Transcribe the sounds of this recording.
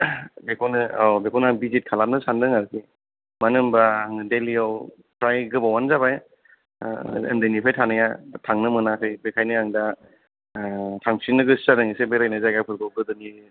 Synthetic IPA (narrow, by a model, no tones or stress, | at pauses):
bekʰɔnɯabekʰɔnabizit̚kʰalam̚nɯsandɯŋaɾkʰi | manɯmbaŋdeliaw | pʰɾajɡɯbawanzaβaj | ḛmdɯjnipʰajtʰanɯjatʰaŋnɯmɯnakʰɯjbekʰajnɯaŋda | tʰaŋsinɯɡɯssaɾɯŋisebeɾajnɯzajɡapʰɯɾɡɯwɡɯdɯni